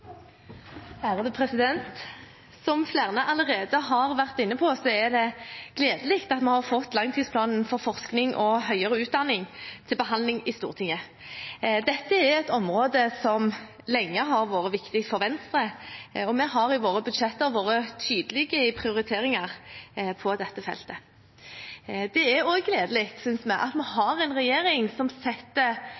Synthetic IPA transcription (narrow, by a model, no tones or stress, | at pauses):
hæːɾəd̪əpʰɾɛsɪd̪ɛnt̪ | sɔmflæːʁnəʔɑləʁeːd̪əɦɑʁʋæʁt̪ɪnːəpʰɔsɔæd̪ɛɡ̥leːd̪əlɪːkt̪ɑt̪mɛhɑʁfɔt̪ːlɑŋt̪ʰiːspʰlɑːnn̩fɔɾfɔʁsknɪŋʔɔɦœʏəɾəʉːt̪̚d̪ɑnːɪŋt̪ʰɪlbəɦɑnd̪lɪŋɪst̪ṵːʁt̪ʰɪŋːə | d̪ɛt̪ːəæɾɛt̪ɔmʁoːd̪əsɔm | lɛŋːəɦɑʁʋoːɾəʋɪkt̪ɪk̪fɔɾʋɛnst̪ʁəɔmɛɦɑɾɪʋoːʁəbʉd̪ʂɛt̪ːəʁʋoːʁət̪ʰyːd̪əlɪɡəpʰʁɪʊɾɪt̪ʰeːʁɪŋɑʁpʰɔd̪ɛt̪ːəfɛ̰lt̪ə | d̪ɛæɾoɡɡleːd̪əlɪːkt̪sʏnsmɛʔɑ̰t̪mɛhɑɾɛnʁɛjeːɾɪŋsɔmsɛt̪ːə